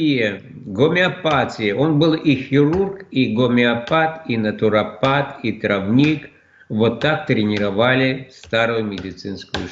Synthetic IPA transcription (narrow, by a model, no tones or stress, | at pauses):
ijə | ɡomʲɪɐpatʲɪjəʔo̞nbɨlˠixʲɪɾurkiɡomʲɪɐpat̪inɐt̪ʊɾɐpat̪it̪ɾɐvnʲik | vot̪ːak̚t̪ɾʲɪnʲɪɾɐvalʲɪst̪aɾʊjʊmʲɪdʲɪt̪sɨnskʊjʊ̰